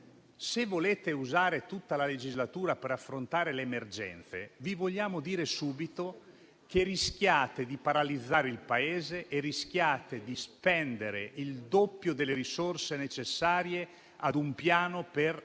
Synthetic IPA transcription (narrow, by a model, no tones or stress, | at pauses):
sevoleːt̪euzaːɾet̪ut̪ːalaled͡ʒizlat̪uːɾapeɾafːɾont̪aːɾeleːmerd͡ʒɛ̰nt̪sevivoʎːaːmod̪iːɾesuːbit̪o | kerisk̟jaːt̪ed̪ipaɾalid̪zːaːɾeilpaeːzeʔerisk̟jaːt̪ed̪ispɛnd̪eɾeild̪opːjod̪elːeɾisorsenet͡ʃesːaːɾje | ad̪umpjaːnoper